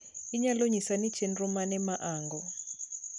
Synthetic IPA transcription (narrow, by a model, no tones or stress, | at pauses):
iɲaloɲisani̥t͡ʃʰenrumanɛmaʔaːŋɡɔ